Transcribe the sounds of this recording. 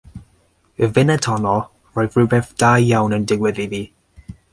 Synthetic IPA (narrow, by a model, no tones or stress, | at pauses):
əvɪnɛtʰɔnɔ | rɔjvrʉbɛθd̥ajːawnəndɪɡwɪðiðiː